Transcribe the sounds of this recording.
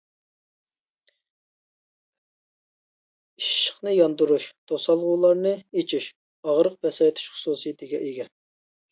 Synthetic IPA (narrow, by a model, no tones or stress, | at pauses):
iʃʃə̥χnɨjɑnd̪uɾuʃt̪ʰosɑlˠʁuːlˠɑɾnɨet͡ʃʰiʃ | ɑʁɾəq̚bɛsɑt̪ʰy̥ʃχʊ̥suːsijit̪ʰɪɡʲɛʔeɡʲɛ